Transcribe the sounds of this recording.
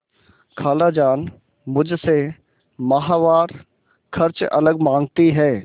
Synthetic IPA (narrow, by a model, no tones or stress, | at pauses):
kʰaːlad͡ʒaːn | mʊd͡ʒʱse | maɦaːʋaːɾ | kʰɐɾt͡ʃɐ̰ləɡmãːŋɡ̚t̪iɦɛː